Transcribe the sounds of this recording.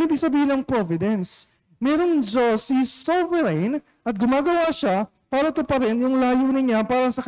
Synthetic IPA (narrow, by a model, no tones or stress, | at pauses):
iːbɪɡ̚sɐbiːhɪnɐŋpɾovɪd̪ɛns | mɛɾo̞ŋd͡ʒosisovɛɾejn | ʔɐt̪̚ɡʊmaːɡɐwaʃa | paːɾɐt̪ʊpɐɾɛnjʊŋlaːjunɪɲapaːɾɐsɐk